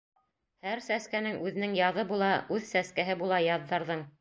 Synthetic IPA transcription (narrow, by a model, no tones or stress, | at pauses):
hæɾsæskænɘŋʔʉðɘ̆nɘŋjɑðɤbulˠɑʔʉðsæskæɦɘbulˠɑjɑðːɑɾðɤɴ